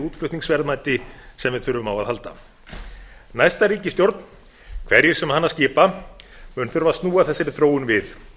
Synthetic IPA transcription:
uːt̪flʏht̪niŋsvɛɾðmajt̪ɪsɛmvɪðθʏɾvʏmawaðhalt̪a̰ | najst̪aɾiːcɪst̪jowɾt̪n̥ | kʰv̥ɛɾjɛɾ̥sɛmhanːascɪːpamʏnθʏɾvast̪nuːaθɛsːɪɾɪθɾoːwʏnvɪθ

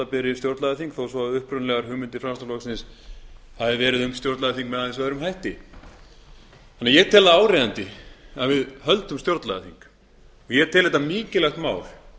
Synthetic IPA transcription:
apɪɾɪst̪jowɾt̪laðaθiŋkθowsvɔaʏhpɾʏnlɛɣaɾ̥hʏːmʏnt̪ɪfɾamst̪alɔksɪns | haðɪvɛːɾɪðʏmst̪jowɾt̪laðaθiŋkmɛðaθɪns̬vaðɪɾʏmɦajht̪ɪ | anːajɛt̪ʰɛːlðaaːwɾejðant̪ɪaðvɪðhœlt̪ʏmst̪jowɾt̪lað̰θiŋk | ɔɣjɛt̪ʰɛːlhɛt̪ːamiːcɪlɛxt̪maːwl

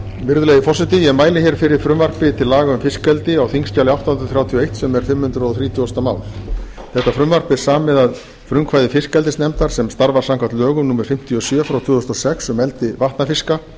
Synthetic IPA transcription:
vɪɾðʏlejðɪfɔsɪt̪ɪjɛɣmaːjlɪçɛɾ̥fɪɾɪɾ̥fɾʏmvar̥pɪt̪ʰɪlːaːɣaʏmfɪskɛlt̪ɪawθiŋsc̪aːlɪawht̪anɾʏθɾjaːwt̪ʰiɔejht̪sɛmɛɾ̥fɪmːhʏnt̪ɾɔθɾiːt̪ʰjʏɔst̪amaːwl̥ | θɛht̪afɾʏmvar̥pɪ̥saːmːɛðað | fɾʏmkʰvaːjðɪfɪskɛlt̪ɪsnɛmt̪aɾ̥sɛmst̪aɾvaɾ̥sawŋkʰant̪lœːɣʏmnuːmɛɾ̥fɪm̥t̪ʰjiɔsjœːfɾawt̪ʰvʏːðʏst̪ɔsɛksʏmɛlt̪ɪvaht̪nafɪska

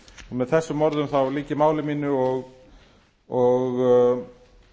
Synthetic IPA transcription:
ɔmɛðθɛsːʏmːɔɾðʏmθawliːcɪmaːwlɪmiːnʏɔɣ | ɔɣ

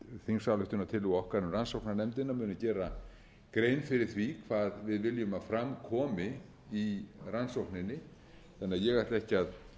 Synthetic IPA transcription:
θiŋsalʏht̪ʏnat̪ʰɪlʏɣɔhkaɾʏmransowknanɛmt̪ɪnːamʏːnʏcɛːɾa | kɾejnfɪɾɪɾ̥θvikʰvaːðvɪðvɪljʏmaðfɾamkʰɔːmɪ | iransowhknɪnːɪ | θanːaðjɛɣḁt̪lɛhcɪað

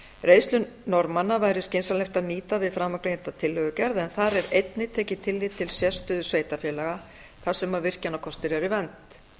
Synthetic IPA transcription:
reːjst̪lʏ | nɔɾmanːavaːjɾɪscɪnsalɛxt̪aðniːt̪avɪðfɾamːakɾejɪ̥t̪at̪ʰɪlhœɣʏcɛɾðɛnθaɾɛɾejt̪nɪt̪ʰɛːcɪt̪ʰɪlːit̪ʰɪlsjɛst̪ʏðʏsveːjt̪afjɛːlɛɣa | θḁsɛmavɪr̥canakʰɔst̪ɪɾɛɾɪvɛnt̪

